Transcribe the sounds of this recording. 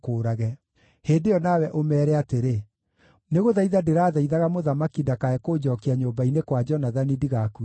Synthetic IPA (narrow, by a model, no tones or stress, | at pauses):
koːɾaɣɛ | heːndejɔnawɛʔomɛːɾɛateɾe | neɣoðaiðadeɾaːðaiðaɣamoðamakidakaɛkoːd͡ʑɔkeaɲoːmbainekwad͡ʒɔnaðanidiɣaku